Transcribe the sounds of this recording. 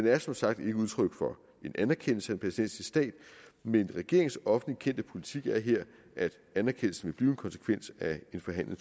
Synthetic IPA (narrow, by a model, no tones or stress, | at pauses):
denæɐsɒ̽msɑ̈ɡ̥̚d̥e̝ɡ̥əuð̞ˠt͡sʰʁœɡ̥fɒ̽ | e̝nʔænæɐkʰen̰l̩səæd̥e̝npʰʁɛsid̥en̰səsd̥ɛ̰ːd̥menʁɛɡ̥e̝ɐ̰eŋ̩sɒ̽fn̩likʰen̰d̥əpʰo̝lit͡sʰiɡ̥æɐɦeɐ̰ | ʔæd̥ | ænæɐkʰen̰l̩sn̩ʋe̝b̥liːʊe̝nkʰɒ̽nsə̥kʰʋen̰sæe̝nfɒɦæn̰le̝ŋs